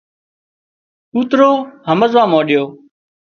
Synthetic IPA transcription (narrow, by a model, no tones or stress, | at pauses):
uːt̪ɾoːhəməzʋãːmoːɗɪjoː